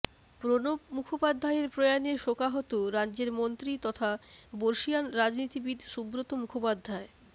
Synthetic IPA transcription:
pɾonomukʰopad̪ʱːaeɾpɾojaneɾʃokaɦot̪oɾadːʑeɾmont̪ɾit̪ɔt̪ʰaboɾʃianɾad͡ʑnit̪ibid̪ʱʃubɾot̪omukʰopad̪ʱːae

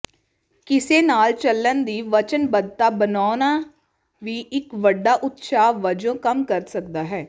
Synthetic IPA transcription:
kɪseːnaːlt͡ʃəlːənd̪iːʋət͡ʃənbəd̪̚t̪aːbənaːnaː | ʋiːʔɪkʋəɖːaːʔʊt̪ʃaːʋəd͡ʒõːkəmkəɾsək̚d̪aːɦɛː

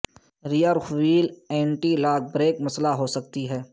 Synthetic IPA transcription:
ɾijəɾxʋiːlɛ̃ːɳʈilaːk̚ʰbɾeːkmɐslaɦosɐkt̪iɦɛː

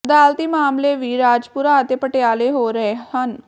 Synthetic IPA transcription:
d̪aːlt̪iːmaːmleʋiːɾaːd͡ʒpuɾaːt̪epəʈjaːleɦoɾɐɦehɐn

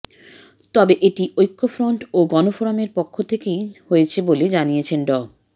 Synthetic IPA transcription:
t̪ɔbeʔeʈiʔojkːofɾoɳʈoɡɔnofoɾameɾpokʰːot̪ʰekejhoet͡ɕʰeboled͡ʑanijet͡ɕʰenɖɔ

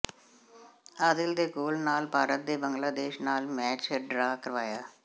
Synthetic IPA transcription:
aːd̪ɪld̪eːkoːlnaːlpaːɾət̪̚d̪eːbəŋɡlaːd̪eːʃnaːlmɛːt͡ʃɖɾaːkəɾʋaːjaː

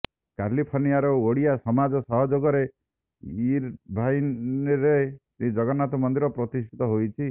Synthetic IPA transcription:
kalipʰoɾnijaɾɔoɽijasɔmad͡ʒɔsɔɦɔd͡ʒoɡɔɾe | iɾbʱajɾet̪ĩd͡ʒɔɡɔnat̪ɔmɔnd̪iɾɔpɾɔt̪isʈʰit̪ɔɦojt͡ʃʰi

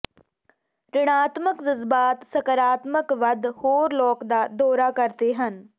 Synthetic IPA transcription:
ɾɪɽ̃aːt̪məkzəzbaːt̪sɐkəɾaːt̪məkʋɐd̪ʱhoːɾlɔːkd̪aːd̪ɔːɾakəɾt̪eɦən

